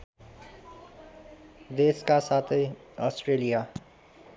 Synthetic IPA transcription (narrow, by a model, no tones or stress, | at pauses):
d̪eːskasaːt̪ʰe | ɔːsʈɾeːlija